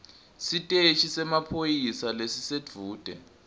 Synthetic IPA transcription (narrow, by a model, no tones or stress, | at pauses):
sitʼet͡ʃʰisɛmapʰojisalesise̥d͡v̥ʱuːd̥ʱɛ̰